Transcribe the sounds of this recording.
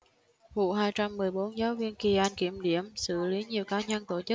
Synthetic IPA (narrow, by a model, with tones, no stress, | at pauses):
vṵ˧˨ɦaː˧jt͡ɕa˧mːɨ˨˩əjɓo˨˦nzaː˨˦wvi˧ənki˧˩ʔaː˧nki˧˩əmɗi˧˩˨əmsɨ̰˧˩li˨˦ɲi˨˩əwkaː˨˦ɲə˧nt̪o˧˩t͡ɕə˦˥k̚